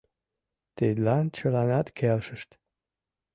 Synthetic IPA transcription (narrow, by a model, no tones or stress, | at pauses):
t̪ed̪lɑnt͡ɕəlɑnɑt̪kʰelʃəʃt̪